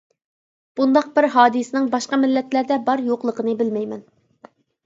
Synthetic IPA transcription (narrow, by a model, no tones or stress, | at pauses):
b̥und̪ɑq̚bɪɾɦɑːd̪ɨsɪnɪŋbɑʃqɑmɪlːɛt̪læɾd̪ɛbɑɾjoqlˠəqənɨbɪlmɛjmɛn